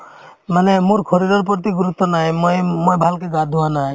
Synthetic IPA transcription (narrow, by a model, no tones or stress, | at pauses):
manemuɾkʰɔɾid̪ɔɾp̬ɔɾt̪iɡuɾut̪ːɔnajmɔjmɔjbʱalkeɡad̪ʱuwanaj